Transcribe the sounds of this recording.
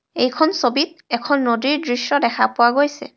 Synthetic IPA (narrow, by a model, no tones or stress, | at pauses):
ejkʰɔnsobit̚ɛkʰɔnːodiɹdɹisjɔdɛkʰapʊwaɡojsɛ̰